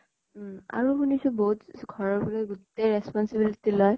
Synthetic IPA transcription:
a̰ɾupunisubot̪ɡʱɔɾɔpuɾeut̪ːeɾespɔnsibilit̪ilɔj

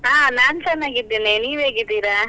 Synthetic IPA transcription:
ɦaːnaːnt͡ʃɐnːaːɡid̪iːniniːʋeːɡid̪iːɾa

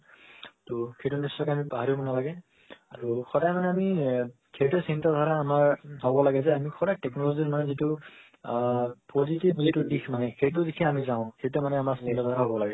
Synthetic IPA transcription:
toxejtʊnisːɔkamipaɦaɹibɔnalaɡɛ | a̰ɹuxɔdajmanɛami | kejtɛsintadʱaɹaːmaɹɦɔbɔlaɡɛzɛamixʰɔɾajtɛknɔlozimanɛzitu | pozitibzitudikmanɛxejtʊzikʰɛamizãʊ̃xejtɛmanɛamaɹsintadʱaɹaɦɔbɔlaɡɛ

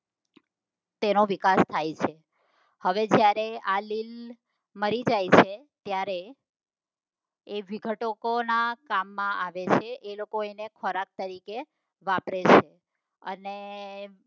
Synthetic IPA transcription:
t̪enoʋikast̪ʰajt͡ʃʰe | həʋed͡ʒjaɾealil | məɾid͡ʒajt͡ʃʰe | t̪jaɾe | ʋiɡʱəʈokonakamːãʔaʋet͡ʃʰeʔelokoenekʰɔɾak̚t̪əɾike | ʋapɾet͡ʃʰe | ə̰ne

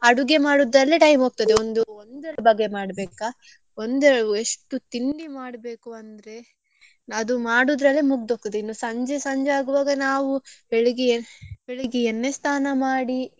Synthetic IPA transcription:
ɐɽuɡemaːɽud̪ɾɐlːiʈɐjmoːɡ̚t̪ɐd̪eond̪uond̪ɛlɐbɐɡːemaːɽbeːka | ond̪ɛɭeʂʈut̪ind̪imaːɽbe̞ːkuɐnd̪ɐɾe̞ | ɐd̪umaːɽud̪ɾɐlːimuɡ̚d̪oːɡ̚t̪ɐd̪einːusɐɲd͡ʒesɐɲd͡ʒeaːɡuʋaːɡɐnaːʋubeɭiɡebeɭiɡienːest̪ʰaːnɐmaːɽi

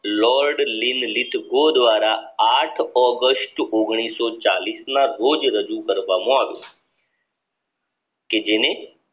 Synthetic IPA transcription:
lɔɾɖlinlit̪ɡod̪ʋaɾaːʈʰɔɡəsʈoɡɽ̃isɔt͡ʃa̰lisnaɾod͡ʒɾəd͡ʒukəɾʋamõaːʋjõ̰ | ked͡ʒene

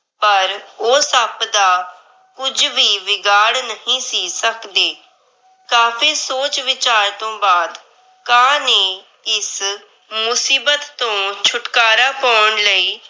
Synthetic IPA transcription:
pəɾoːsəpd̪aː | kʊd͡ʒʋiːʋɪɡaːɽnəɦĩːsiːsəkd̪eː | kaːpʰiːsoːt͡ʃʋɪt͡ʃaːɾt̪õːbaːd̪ | kaːneː | ɪs | mʊsiːbət̪ːõːt͡ʃʰʊʈkaːɾaːpəːɳləiː

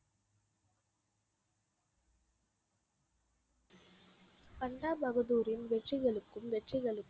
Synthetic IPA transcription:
pɐɳɖaːbɐɣɐðuːɾɪnʋɛʈrɪɣɐɭɯkːɯmʋɛʈrɪɣɐɭɯkː

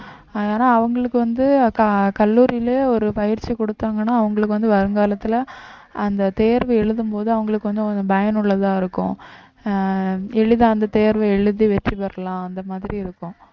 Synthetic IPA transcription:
aːðeːnaːɐʋɐŋɡɐɭɯkːɯʋɐnd̪ɯkɐkɐlːuːɾɪjɪleːɔɾɯpɐjɪɾt͡ʃikɔɽɯt̪ːaːŋɡɐnːaːɐʋɐŋɡɐɭɯkːɯʋɐnd̪ɯʋɐɾɯŋɡaːlɐt̪ːɯlɐ | ɐnd̪ɐt̪eːɾʋɛɛɻɯðɯmpoːðɯɐʋɐŋɡɐɭɯkːɯʋɐnd̪ɯnbɐjɐnʊɭːɐt̪ãːɪɾɯkːʊ̰̃ | ɛɻɯðãːɐnd̪ɐt̪eːɾʋɐɛɻɯðiʋɛʈripɐɾɐlãːɐnd̪ɐmaːðɪɾiɪɾɯkːʊ̃

